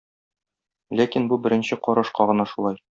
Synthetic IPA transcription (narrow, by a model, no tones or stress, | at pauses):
lækinbubɘ̆ɾɘ̆nɕɘqɒɾɤ̆ʃqɑʁɤ̆nɑʃulˠɑj